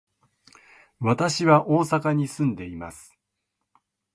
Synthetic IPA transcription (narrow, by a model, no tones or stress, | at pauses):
βat̪aɕiβaʔo̞ːsakaɲ̟isɨ̃nd̪e̞ima̰sɨ̥